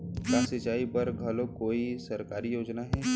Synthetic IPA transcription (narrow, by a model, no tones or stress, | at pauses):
kasɪt͡ʃaːipɐɾɡʱɐlõkoːisɐɾkaːɾijoːd͡ʒnaɦɛː